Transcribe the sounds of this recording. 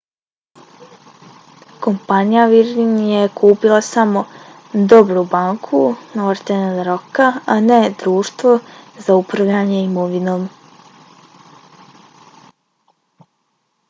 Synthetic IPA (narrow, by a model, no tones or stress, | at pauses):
ko̞mpanijaʋiɾinjekʰuːpilˠasamo̞ | d̪o̞bɾubaŋkʰunaʋɾt̪enanɾokaaned̪ɾuːʃt̪ʋozaupɾaʋʎaːɲeimoʋino̞ːm